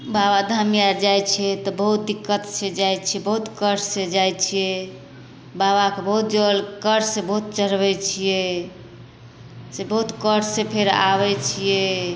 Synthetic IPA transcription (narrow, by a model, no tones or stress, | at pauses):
babad̪ʱamijaɾd͡ʒajt͡ʃʰɛt̪ɔbəɦut̪̚d̪ikːət̪t͡ʃʰed͡ʒajt͡ʃʰijɛbəɦut̪kəɾssed͡ʒajt͡ʃʰijɛ | baβakebəɦut̪̚d͡ʒəlkəɾssẽbəɦut̪̚t͡ʃəɾbɛt͡ʃʰije | sebəɦut̪kəɾssẽpʰeɾa̰βɛt͡ʃʰijɛ